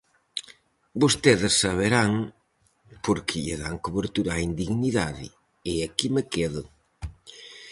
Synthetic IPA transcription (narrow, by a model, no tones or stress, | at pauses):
bost̪eðɪsːaβ̞eɾaŋ | poɾkʰɪʎeðaŋkoβeɾt̪uɾaːind̪iɣniðaðɪ̰ | ɪakimekeðʊ